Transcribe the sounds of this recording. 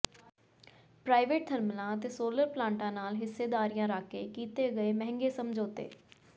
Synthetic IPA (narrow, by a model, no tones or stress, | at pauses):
pɾaːɪʋeːʈ̚d̪ʰʱəɾməlãːət̪eːsoːləɾplãːɳʈãːnaːlɦɪsːeːd̪aːɾijãːɾaːkeːkiːt̪eːɡəeːmɛ̃ɦɪ̃ŋɡeːsəmd͡ʒoːt̪ḛː